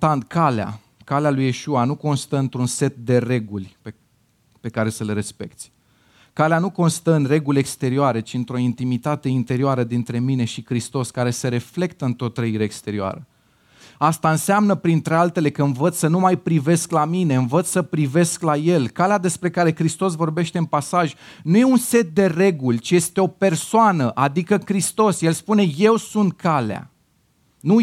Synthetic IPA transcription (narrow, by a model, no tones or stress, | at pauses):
t̪and̪kalea̰ | kalealuje̞ʃuanuko̞nst̪əɨnt̪ɾunse̞t̪̚d̪e̞re̞ɡulʲpe | pe̞kaɾe̞səleɾe̞spe̞̰k̚t̪sʲ | kaleanuko̞nst̪əɨnre̞ɡulʲe̞kst̪e̞ɾioaɾet͡ʃiɨnt̪ɾo̞int̪imit̪at̪e̞int̪e̞ɾioaɾəd̪int̪ɾe̞mine̞ʃikɾist̪o̞skaɾe̞se̞ɾe̞fle̞kt̪əɨnt̪ɾo̞t̪ːɾəiɾeːkst̪e̞ɾioa̰ɾə | ast̪aɨnseamnəpɾint̪ɾe̞alt̪e̞le̞kəɨnvət̪ssənumajpɾive̞sklamine̞ɨnvət̪ssəpɾive̞sklaje̞lkalead̪e̞spɾe̞kaɾe̞kɾist̪o̞s̬vo̞rbe̞ʃt̪e̞ɨmpasaʒnuje̞unse̞t̪̚d̪e̞re̞ɡulʲt͡ʃije̞st̪e̞o̞pe̞rsoanəʔad̪ikəkɾist̪o̞sje̞lspune̞je̞wsunt̪̚kʰalea̰ | nu